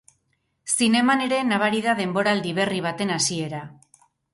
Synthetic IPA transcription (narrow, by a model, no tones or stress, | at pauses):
sine̞mane̞ɾe̞naβaɾiðað̞e̞mbo̞ɾaːld̪iβ̞e̞riβ̞at̪e̞nasie̞ɾa